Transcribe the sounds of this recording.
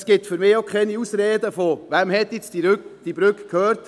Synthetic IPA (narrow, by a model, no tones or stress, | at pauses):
sɡ̥ɪtfyɾmɪːokʰχɛniusɾeːd̪əfɔvɛmhɛt̪ːɪt͡sd̥iɾkd̥ibɾʏkkʰhøːɾt